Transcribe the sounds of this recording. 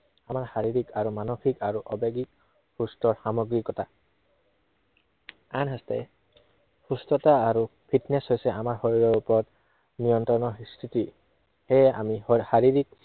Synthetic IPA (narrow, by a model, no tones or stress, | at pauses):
amaɹxaɹiɹikaɹumanoxikaɹuʔɔbeɡik̚ | hustɔɹxamɔɡɹikɔta | anɦastɛ̰ | xustɔtaːɹupʰitnɛshojsɛʔamaɹxoɹiɹɔɹupɔɹɔt | nijɔntɹɔnɔistʰiti | hejɛa̰mixaɹiɹik̚